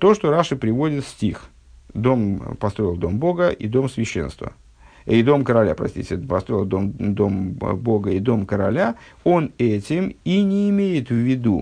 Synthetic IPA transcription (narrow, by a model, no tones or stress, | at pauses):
t̪o̞ʂt̪o̞ɾaʂɨpɾʲɪvo̞dʲɪt̪sʲtʲix | d̪o̞mpɐst̪ɾo̞ɪlˠd̪o̞mbo̞ɡəʔḭd̪o̞msvʲɪɕːḛnst̪və̰ | id̪o̞mkəɾɐlʲa̰pɾɐ̰sʲtʲḭtʲɪpɐst̪ɾo̞ɪlˠd̪o̞md̪o̞mbo̞ɡəid̪o̞mkəɾɐlʲao̞nɛtʲɪminʲɪːmʲejɪt̪vʲɪd̪ṵ